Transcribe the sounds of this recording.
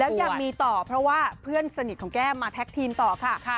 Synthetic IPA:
lɛː˦˥wjaː˨˩kmiː˧t̪ɔː˨˩pʰɾɔ˦˥waː˥˩pʰɯ˥˩ənsa˧ni˨˩ɔ˩˦ŋkɛː˥˩maː˧t̪ʰɛ˦˥k̚t̪ʰiː˧nt̪ɔː˨˩kʰa˥˩

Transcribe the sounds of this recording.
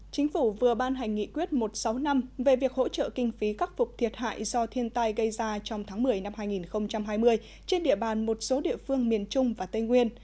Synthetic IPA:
t͡ɕï˨˦ŋ̟fu˧˩vɨ˨˩əɓaː˧nɦa˨˩jŋ̟ːḭ˧˨kwi˦˥ət̚mo˨˩t̚sa˨˦wna˧mve˨˩vi˨˩ək̚ho̰˧˥t͡ɕə̰ː˧˨kï˧ŋ̟fi˨˦kaː˦˥k̚fʊ˨˩k͡p̚t̪ʰi˨˩ət̚ha̰ː˧˨jzɔ˧t̪ʰi˧ənt̪a˧jɣə˧jzaː˧t͡ɕɔ˧wŋ͡mt̪ʰaː˨˦ŋmɨ˨˩əjna˧mɦaː˧jŋi˨˩nxə˧wŋ͡mt͡ɕa˧mɦaː˧jmɨ˧əj | t͡ɕe˧nɗḭ˧˨əɓaː˨˩nmo˨˩t̚so˨˦ɗḭ˧˨əfɨ˧əŋmi˨˩ənt͡ɕʊ˧ŋ͡mvaː˨˩t̪ə˧jŋwi˧ən

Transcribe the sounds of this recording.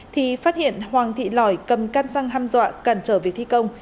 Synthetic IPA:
t̪ʰi˨˩faː˦˥t̚hḭ˧˨ənhwaː˨˩ŋt̪ʰḭ˧˨lɔ˧˩jkə˨˩mkaː˧nsa˧ŋɦaː˧mzwa̰ː˧˨kaː˧˩nt͡ɕəː˧˩vi˨˩ək̚t̪ʰi˧kə˧wŋ͡m

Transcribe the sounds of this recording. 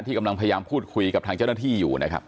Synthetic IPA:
nt̪ʰiː˥˩ka˧la˧ŋpʰːja˧jaː˧mpʰuː˥˩t̪̚kʰu˧jka˨˩pt̪ʰaː˧ŋt͡ɕa˥˩na˥t̪ʰiː˥˩jṵː˨˩nʔa˦˥kʰa̰˦˥p

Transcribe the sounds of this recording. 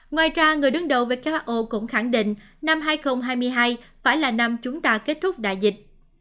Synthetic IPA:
ŋwaː˨˩jt͡ɕaː˧ŋɨ˨˩əjɗɨ˨˦ŋɗə̰˨˧˨wve˨˩kaː˦˥k̚ɓa˦˥k̚ʔo˧kʊ̰˧˥ŋ͡mxa˧˩ŋɗḭ̈˧˨ŋ̟ | na˧mɦaː˧jxə˧wŋ͡mɦaː˧jmɨ˧əjɦaː˧jfaː˧˩jlaː˨˩na˧mt͡ɕʊ˨˦ŋ͡mt̪aː˧ke˦˥t̚t̪ʰʊ˦˥k͡p̚ɗa̰ː˧˨jzï˨˩k̟̚

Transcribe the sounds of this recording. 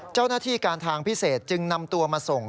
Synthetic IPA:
t͡ɕaː˥˩wnaː˥t̪ʰiː˥˩kaː˧nt̪ʰaː˧ŋpʰi˦˥˩seː˨˩t̪̚t͡ɕɯ˧ŋna˧mt̪u˧ɐmaː˧so˨˩ŋ

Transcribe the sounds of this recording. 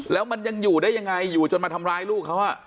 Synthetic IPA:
lɛː˦˥wma˧nja˧ŋjuː˨˩daː˥˩jːa˧ŋa˧jːuː˨˩t͡ɕo˨˧nmaː˧t̪ʰa˧mɾaː˧jluː˥˩k̚ʰːa˦˥wʔa˨˩ʔ

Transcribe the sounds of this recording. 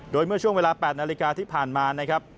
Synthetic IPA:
doː˧jmɯ˥˩ət͡ɕʰu˥˩əweː˧laː˧pɛː˨˩t̪̚na˧li˦kaː˧t̪ʰiː˥˩pʰaː˨˩nmaː˧na˦˥kʰɾa˦˥p̚

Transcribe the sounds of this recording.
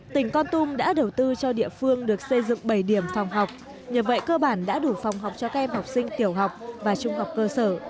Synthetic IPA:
t̪ï˨˩ŋ̟kɔ˧nt̪ʊ˧mɗa̰ː˧˥ɗə˨˩wt̪ɨ˧t͡ɕɔ˧ɗḭ˧˨əfɨ˧əŋɗɨ˨˩ək̚sə˧jzɨ̰˧˨ŋɓə˧˩jɗi˧˩əmfa˨˩wŋ͡mɦa˨˩wk͡p̚ | ɲə˨˩t̚və̰˧˨jkəː˧ɓaː˧˩nɗa̰ː˧˥ɗu˧˩fwŋ͡mɦa˨˩wk͡p̚t͡ɕɔ˧kaː˦˥k̚ʔɛ˧mha˨˩wk͡p̚sï˧ŋ̟t̪i˧˩əwɦa˨˩wk͡p̚vaː˨˩t͡ɕʊ˧ŋ͡mɦa˨˩wk͡p̚kəː˧səː˧˩

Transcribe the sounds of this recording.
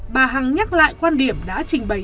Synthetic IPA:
ɓaː˨˩ɦa˨˩ŋɲa˦˥t̚la̰ː˧˨jkwaː˧nɗi˧˩əmɗa̰ː˧˥t͡ɕï˨˩ŋ̟ɓə˨˩

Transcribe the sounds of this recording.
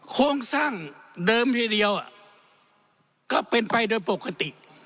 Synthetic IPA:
kʰoː˧˥˨ŋsaː˥˩ŋdɤː˧mt̪ʰiː˧˩di˧əwʔa˨˩ | ka˧˩pe˧npa˧jdoː˧˦jpo˨˩kʰa˧t̪i˨˩ʔ

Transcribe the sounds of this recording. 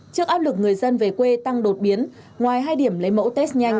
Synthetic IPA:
t͡ɕɨ˦˥ək̚ʔaː˦˥p̚lɨ˨˩k̚ŋɨ˨˩əjzə˧nve˨˩kwe˧t̪a˧ŋɗo˨˩t̚ɓi˨˦ən | ŋwaː˨˩jɦaː˧jɗi˧˩əmlə˨˦jmə̰˧˥wt̪ɛ˦˥s̚ɲa˧jŋ̟

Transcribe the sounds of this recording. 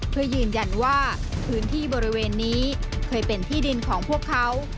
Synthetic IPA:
pʰɯ˧əjɯː˧nja˧nwaː˥˩pʰɯː˦˥nt̪ʰiː˥˩bɔː˧ɾi˦˥weː˧nːiː˦˥kʰɤː˧jpe˧nt̪ʰiː˥˩di˧nkʰɔː˩˦ŋpʰu˥˩əkʰːa˦˥w

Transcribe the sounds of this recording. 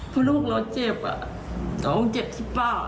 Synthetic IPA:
pʰɯ˧luː˥˩k̚lɔ˧˩t͡ɕeː˧˩p̚a̰˨˩ | ɔ˨o˧˦ŋt͡ɕe˨˩p̚t̪ʰi˦˧˥paː˧˩˨

